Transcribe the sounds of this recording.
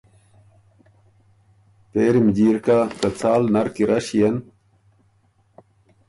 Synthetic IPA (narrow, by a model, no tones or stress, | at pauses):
peːɾimd͡ʑiːɾkakɐt͡saːlnɐɾkiɾɐɕijɐn